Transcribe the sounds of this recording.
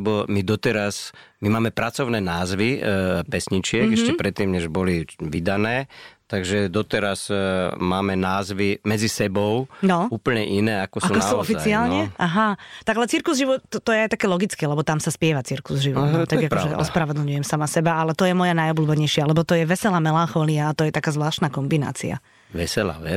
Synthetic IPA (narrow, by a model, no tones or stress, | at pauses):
bɔmid̪ɔt̪ɛɾasmimaːmɛpɾat͡sɔʊnɛːnaːzʋipɛsɲit͡ʃɪɛɡɛʃcɛpɾɛt̪ːiːmɲɛʒbɔliʋid̪anɛːt̪aɡʒɛd̪ɔt̪ɛɾazmaːmɛnaːzʋimɛd͡zisɛbɔʊnɔuːpəɲɛʔinɛːakɔsauːnkɔsauːɔfiat͡siaːlɲɛʔaɦat̪aɡalɛt͡siɾkuzʒiʋɔt̪t̪ɔjɛajt̪akɛlɔɡit͡skɛːlɛbɔt̪amsaspɪɛʋat͡siɾkuzʒiʋɔtɔt̪aɡakpɔʒɛʔɔ̰spɾaʋɔd̪l̩ɲujɛmsamasɛbaalɛt̪ɔjɛmɔjanajɔbluːbɛɲɛjʃɪalɛbɔt̪ɔjɛʋɛsɛlamɛlaŋxɔːliaːt̪ɔjɛt̪akaːzʋlaːʃt̪naːkɔmbina̰ːt͡sḭa̰ | ʋɛsɛla̰ɛ